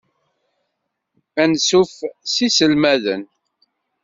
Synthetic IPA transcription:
ænsufsisəlmæðə̰n

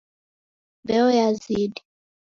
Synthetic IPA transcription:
bɛɔjazidi

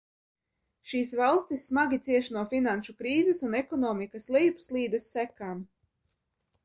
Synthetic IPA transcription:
ʃiːsvalˠst̪ʲisːmaɡʲit̪siɛʃnuɔfinanʃukɾiːzɛsunɛkɔnɔːmikaslˠiːpslˠiːd̪ɛsːækaːm

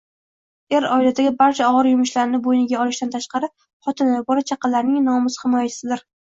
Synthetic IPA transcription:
e̞ɾɒɪlad̪aɡʲɪbaɾt͡ʃʰaɒʁɨɾjʊmʊʃlaɾɪnɪbojnɪɡʲaɒlˠɪʃt̪ant̪ʰaʃqɑɾɪ | χɒt̪ʰɪnavabɒɾat͡ʃʰɑqʰɑlːaɾnɪŋnɒmɪzhɪmɒjat͡ʃʰɪ̥sɪd̪ɪɾ

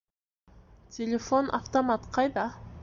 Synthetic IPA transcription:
t̪elefonʔa̰ft̪omat̪qɑjd̪ɑ

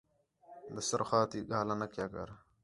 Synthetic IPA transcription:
d̪ɐsɐɾxaːt̪iːɡaːlɐnɐkjaːkɐ̰ɾ

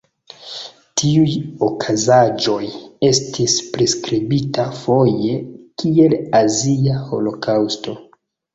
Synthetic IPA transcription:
tiujo̞kʰazad͡ʒo̞je̞stʰispɾeskɾibitafo̞je̞kie̞laziaho̞̰lo̞kʰawsto̞

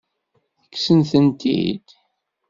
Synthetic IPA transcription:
əkːsənθənt̪ḭd̪̥

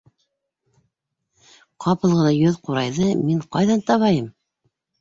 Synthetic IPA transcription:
qʰɑpɤ̆lˠʁɤlˠɑjɵðquɾɑ̰jðɤmiɴqɑjðɑnt̪ɑβɑjɤm

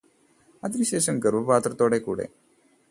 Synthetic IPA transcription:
at̪ɾiɕeɕənɡəɾʋəpat̪ɾət̪oɽekuɽḛ

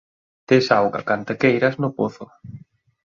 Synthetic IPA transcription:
t̪esawɣa̰kant̪akejɾɐznʊpoθʊ

